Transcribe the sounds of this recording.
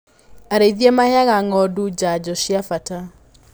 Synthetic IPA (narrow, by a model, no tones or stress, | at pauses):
aɾeiðiemahjaɣaŋɔdud͡ʒad͡ʒɔʃjafata